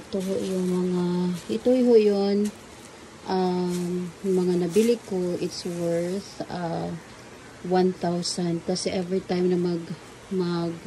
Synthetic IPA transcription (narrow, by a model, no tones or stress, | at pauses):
ɪt̪oɦoʔjʊŋmɐŋaʔɪt̪ojɦoʔjon | ʔa | ʊŋmɐŋanɐbilɪkːoʔɪt̪swɛɹθa | wanθawsɐnd̪̚kɐsɛʔɛvɹit̪ajmnɐmɐɡ | mɐɡ̚